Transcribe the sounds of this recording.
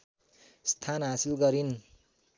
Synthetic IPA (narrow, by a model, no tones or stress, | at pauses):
st̪ʰanɦasilɡʌɾin